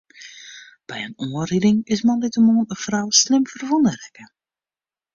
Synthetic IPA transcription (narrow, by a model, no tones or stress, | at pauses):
b̥ɛjənɔːəridɪŋɪsmɑndɪtəmoːnəfrawslɪmvərvɔndərɛkə